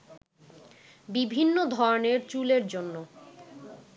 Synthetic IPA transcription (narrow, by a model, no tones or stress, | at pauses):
bibʱinːod̪ʱɔɾoneɾt͡ɕuleɾd͡ʑonːo